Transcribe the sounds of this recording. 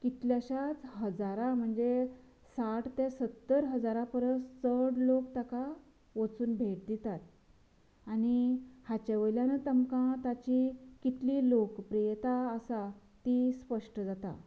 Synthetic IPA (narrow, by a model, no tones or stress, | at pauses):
kit̪ljaɕat͡sɦəd͡zaɾam̤əɳd͡ze | saʈt̪esət̪ːəɾɦəd͡zaɾapəɾəst͡səɽlokt̪aka | ʋət͡suːnbʱeʈ̚d̪it̪at̪ | añihat͡ɕaʋəjljanət̪əmkãt̪at͡ɕikit̪liːlokpɾijt̪aːsa | t̪ispəʂʈəd͡zat̪a̰